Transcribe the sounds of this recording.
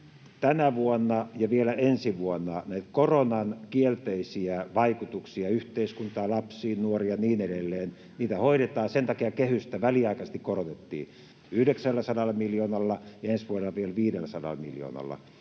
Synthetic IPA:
t̪ænæʋuonːɑjɑʋielæʔensiʋuonːɑnæˑit̪koronɑnkielt̪eisiæʋɑikut̪uksiɑyht̪eiskunt̪ɑːlɑpsiːnnuoriɑniːneɾelːeːn | niːt̪æhoiɾet̪ɑːsent̪ɑkiɑkehyst̪æʋæliɑikɑse̥st̪ikkorot̪et̪ːḭː | yhdeksælːæsɑnɑlːmiljoːnɑlːɑjɑensʋuonelɑʋielʋiːdelːæsɑnɑ̰lmḭljo̰ːnɑ̰lːɑ̰

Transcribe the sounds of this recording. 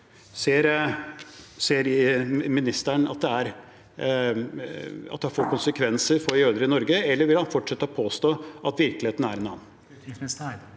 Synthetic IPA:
seːɾ | seːɾmɪnɪst̪æɳɑ̰t̪̚d̪ɛæɾ | ɑ̰t̪̚d̪ɛhɑɾfoːkʊnsəkʰʋɛnsəɾfɔɾjøːd̪əɾəɪnɔɾɡəɛlːəɾʋɪlhɑnfɔʈʂɛt̪ːəɔpʰoːst̪oːʔɑt̪ʋɪɾklɪeːt̪næɾɛnɑ̰ːn̩

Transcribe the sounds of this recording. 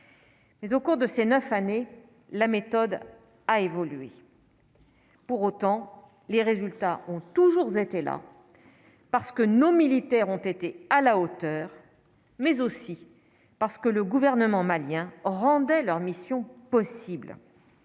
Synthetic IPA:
mɛzokuʁd̪əsenœfane | lamet̪ɔd̪ | aevɔlyḛ | puʁot̪ɑ̃ | leʁezylt̪aʔɔ̃t̪uʒuʁzet̪ela̰ | paʁsə̥kənomilit̪ɛʁɔ̃t̪et̪ealaot̪œːʁ | mɛzosi | paʁsə̥kələɡuvɛʁnəmɑ̃maljɛ̃ʁɑ̃d̪ɛlœʁmisjɔ̃pɔsibl

